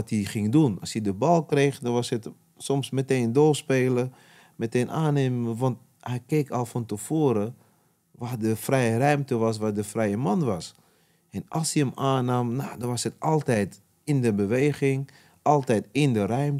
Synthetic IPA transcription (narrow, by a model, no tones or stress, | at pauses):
tiχɪŋdunɑ̰sjidəbɑlˠkreːχdɔnʋɑshət | sɔmsməteːndoːspeːlə | mɛteːnʔaːneːməʋɑnt̚ | hɛjkeːkɔlˠfɔntəfoːɾə | ʋadəfrɛjərœɥmtəʋɑs̬ʋadəfrɛjəmɑnʋɑs | ʔɛnɑ̰lˠsiəmaːnaːmnadɔnʋɑshətɑlˠtɛjt | ɪndəbəʋeːɣɪŋ | ʔɑlˠtɛjtɪndərœɥm